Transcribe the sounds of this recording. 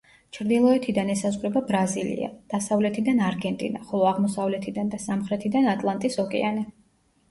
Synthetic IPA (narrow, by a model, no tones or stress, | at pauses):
t͡ʃʰɾd̪ilˠɔɛt̪ʰid̪anɛsazʁɾɛbabɾazilḭa̰d̪̥asavlɛt̪ʰid̪anaɾɡɛnt̪ʼḭnaχɔlˠɔaʁmɔsavlɛt̪ʰid̪and̪asamχɾɛt̪ʰid̪anat̪ʼlˠant̪ʼisɔkʼɛ̰anɛ